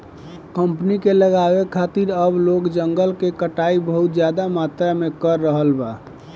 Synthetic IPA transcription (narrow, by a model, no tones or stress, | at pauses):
kəmpnikeləɡawekʰat̪iɾəblokd͡ʒəŋɡəlkekəʈaibəɦut̪̚d͡ʒjad̪amat̪ɾamekəɾːəɦəlba